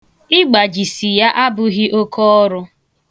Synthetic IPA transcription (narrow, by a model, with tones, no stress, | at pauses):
ɪ˦ɡ͡ba˨d͡ʒi˨si˨ja˦ʔa˦bʊ˦ɣɪ˦ʔo˦kʰɔ˦ɔ˦ɾʊ˦